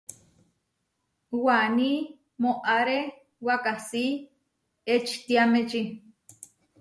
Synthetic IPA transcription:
wani | moʔaɾe | wakasiː | et͡ʃi̥t̪iamet͡ʃi

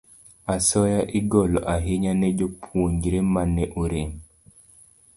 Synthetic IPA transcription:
asɔjaʔiɡɔlɔ̰ʔaɦiɲanɛd͡ʒopʰwoɲd͡ʒɾemanɛʔuɾem

